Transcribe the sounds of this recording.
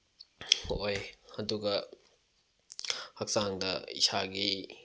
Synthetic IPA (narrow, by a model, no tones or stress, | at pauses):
ojɐduɡɐ | hɐk̚saŋdɐḭsaɡi